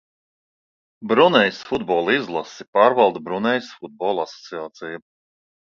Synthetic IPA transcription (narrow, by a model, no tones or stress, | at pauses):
bɾunɛjsfud̪bɔːlˠizlˠasipɑːɾvɑlˠd̪ubɾunɛjsfud̪̚bɔːlˠasɔ̥t̪siaːt̪siju